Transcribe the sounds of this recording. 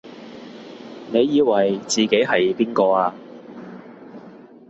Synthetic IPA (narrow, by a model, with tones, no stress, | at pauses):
ne˨˧jːiː˨˧wɐ˨jt͡siː˨ke˨˥jɦɐ˨jpiː˥nkɔː˧aː˧